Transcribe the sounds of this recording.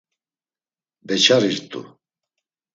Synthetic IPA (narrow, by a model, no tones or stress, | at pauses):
bɛt͡ʃʰaɾiɾt̪ʼṵ